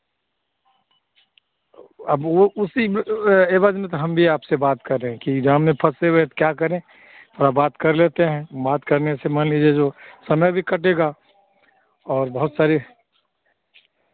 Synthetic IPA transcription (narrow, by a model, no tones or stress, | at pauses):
ɐboʊsieːʋaːd͡ʒmẽt̪oɦɐmbʱiaːpsebaːt̪kəɾeɦkid͡ʒaːmnẽpʰɐseɦoet̪kjakɐɾẽ | t̪ɔɾabaːt̪kɐɾlet̪eɦɛ̃baːt̪kɐɾnesemənlid͡ʒed͡ʒosɐməjbʱikɐʈeɡa | ɔːɾbɐɦʊt̪saːɾi